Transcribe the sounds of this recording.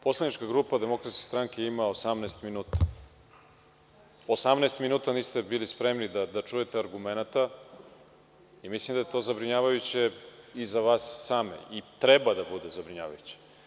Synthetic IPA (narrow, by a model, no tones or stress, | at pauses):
poslˠadnit͡ʃkaɡɾuːpad̪emo̞kɾat̪skʲest̪ɾaŋkʲeimaosamnɛːst̪minuːt̪ḁ | osamnɛːst̪minuːt̪aniːst̪ebilispɾemnid̪ad̪at͡ʃujet̪eaɾɡumenat̪a | imislimd̪ajet̪o̞ːzabɾiɲaːʋajut͡ɕeizaʋaːsːaːmḛit̪ɾɛbad̪abud̪ezabɾiɲa̰ːʋa̰jut͡ɕe̥